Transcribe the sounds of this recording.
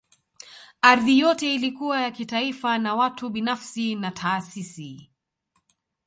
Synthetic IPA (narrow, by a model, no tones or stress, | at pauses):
aɾðijɔtɛilikuwajakitaifanawatuɓinafsinatʰaːsisi